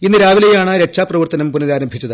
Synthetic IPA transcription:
inːɨɾaːʋilejaːɳɨɾe̞kʂaːprɐʋɐrt̪ɐnɐmpunɐðaːɾɐmbʱit͡ɕːɐðɨ

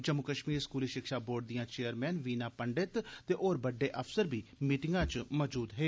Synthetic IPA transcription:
d͡ʒəmːʊkəʃmiːɾskuːliːʃɪkʃaːboːɖ̚d̪ijãːt͡ʃeːəɾmɛːnʋiːnaːpəɳɖɪt̪t̪eːʔoːɾbəɖːeːʔəpʰsəɾbiːmiːʈɪŋɡãːt͡ʃmɔːd͡ʒuːd̪ɦeː

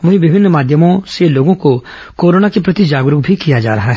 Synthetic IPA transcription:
ʋɐɦĩʋɪbʱɪnːmaːd̪ʱjəmõseloːɡõko | koːɾoːnakepɾɐt̪id͡ʒaːɡɾʊkbʱikijad͡ʒa̰ːɾɐɦaɦɛ

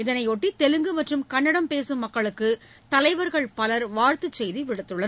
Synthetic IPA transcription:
ɪðɐnɐɪɔʈːit̪ɛlɯŋɡɯmɐʈrɯmkɐɳːɐɽɐmpeːsɯmːɐkːɐɭɯkːɯ | t̪ɐlɐɪʋɐɾɣɐɭpɐlɐɾʋaːɾt̪ɯt͡ʃːɛjðiʋɪɽɯt̪ːɯɭːɐn

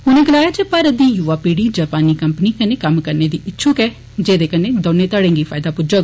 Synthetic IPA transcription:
hʊnẽːɡəlaːjaːt͡ʃepəɾəd̪iːjuːʋaːpiːɽiːd͡ʒaːpaːniːkəmpəniːkəneːkəmkəɾneːd̪iːɪtːʃʰukɛː | d͡ʒeːd̪eːkəneːd̪oːnːẽːt̪aːɽẽːŋɡiːpʰaːɪd̪aːpʊd͡ʒə

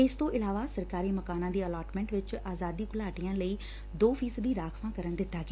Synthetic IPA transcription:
ɪst̪õːʔɪlaːʋaːsəɾkaːɾiːməkaːnãːd̪iːəlaːʈmɛ̃ɳʈʋɪt͡ʃaːzaːd̪iːkʊlaːʈijãːləiː | d̪oːpʰiːsəd̪iːɾaːkʰʋãːkəɾəɳd̪ɪt̪ːaːɡɪː

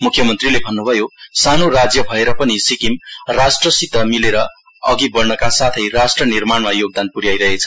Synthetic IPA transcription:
mukʰjʌmʌnt̪rilebʱʌnːubʱʌjosanorad͡zjʌbʱʌeɾʌpʌnisikimrasʈrʌsit̪ʌmileɾʌ | ʌɡibʌrnʌkasat̪ʰʌjrasʈrʌnirmaɳmajoɡ̚d̪anpuɾjajɾʌɦet͡sʰʌ

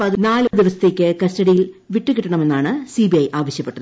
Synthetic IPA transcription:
pɐðnaːld̪iʋɐsɐ̥t̪ːe̞ːkʲːɨkɐstɐɽijilʋiʈːɨkiʈːɐɳɐme̞nːaːɳɨsibiɐjʔaːʋɐɕjɐpːe̞ʈːɐðɨ

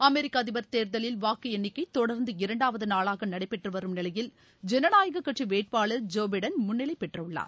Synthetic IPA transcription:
ɐmɛɾɪkːaːðɪʋɐɾt̪eːɾðɐlɪlʋaːkːɯɛnːɪkːɐɪt̪ɔɽɐɾnd̪ɯɪɾɐɳɖaːʋɐðɯnaːɭaːɣɐnɐɽɐɪpːɛʈrɯʋɐɾɯmnɪlɐjɪl | d͡ʒɛnɐnaːjɐɣɐkːɐʈriʋeːʈ̚paːɭɐɾd͡ʒoːbɐɽɐnmʊnːɪlɐɪpːɛʈrɐʊɭːa̰ːɾ

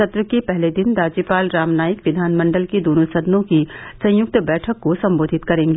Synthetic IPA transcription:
ɐt̪ɾəkepɛɦled̪ɪnd̪aːd͡ʒiːpaːlɾaːmnaːjɪkʋɪd̪ʱaːnmə̃ɳɖəlked̪oːnusɐd̪nõkisɐ̃j̃jʊk̚t̪bɛːʈʰəkːosɐ̃mboːd̪ʱɪt̪kɐɾẽːŋɡeː

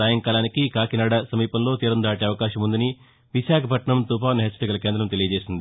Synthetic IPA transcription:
aːjɐŋkaːlaːnikikaːkinaːɽɐsɐmiːpɐmlo̞ːt̪iːɾɐnd̪aːʈ̬eːɐʋɐkaːʃɐmund̪ɐni | ʋiʃaːkʰɐpʰɐʈɳɐmt̪uːpaːʋɐnɐɦet͡ʃːɐɾiɡɐlɐke̞ːnd̪ɾɐmt̪elijɐd͡ʒe̞ːsind̪i

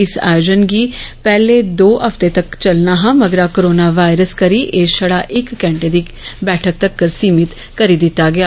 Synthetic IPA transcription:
ɪsa̰ːjoːd͡ʒənɡiːpɛːleːd̪oːɦəft̪eːt̪əkt͡ʃəlnaːɦãːməɡəɾaːkoɾoːnaːʋaːɪɾəskəɾiːʔeːʃəɽaːʔɪkːɛ̃ːɳʈeːd̪iː | bɛːʈʰək̚t̪əkːəɾsiːmɪt̪ | kəɾiːd̪ɪt̪ːaːɡɪaː

